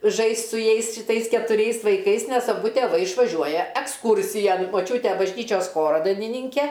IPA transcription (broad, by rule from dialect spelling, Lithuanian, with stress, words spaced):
ˈʒɐɪsʲtʲ sʊ ˈjɛɪs ʃʲɪˈtɐɪs kʲɛtʊˈrʲɛɪs ʋɐɪˈkɐɪs nʲɛs ɐˈbʊ tʲeːˈʋɐɪ ɪʃʋɐˈʒʲuɔjɛ ɛksˈkuːrʲsʲɪjɛn moːˈt͡ʃʲuːtʲɛ bɐʒʲˈnʲiːt͡ʃʲoːs ˈxoːroː dɐɪnʲɪˈnʲiːŋʲkʲɛ